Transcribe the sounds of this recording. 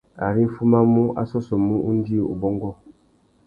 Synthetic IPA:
a˨ɾi˦fu˦ma˦mu˦ʔa̰˦sɔ˦sɔ˨mu˦ʔu˦n˦di˦˨ṵ˨bɔ˦ŋɡɔ˦

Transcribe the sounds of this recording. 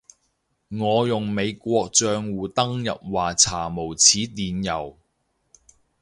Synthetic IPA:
ŋɔː˨˧jʊ˨ŋme˨˧jkʷɔː˧k̚t͡ʃœː˧ŋwuː˨t̪ɐ˥ŋjɐ̰˨p̚waː˨˩t͡sʰaː˨˩mo˨˩wt͡sʰiː˨˥t̪iː˨˧njɐ˨˩w

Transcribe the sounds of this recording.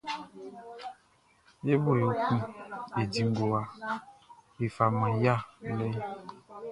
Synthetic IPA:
je˦bu˦˨e˨˦ku˦e˨di˨ŋ˦ɡo˨wa˨ | e˨fa˨ma˨ja˦lɛ˦

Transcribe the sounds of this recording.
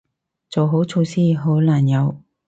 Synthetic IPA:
t͡so˨wɦo˨˥wt͡sʰo˨˧wsiː˥ɦo˨˥wlaː˨˩njɐ˨˧w

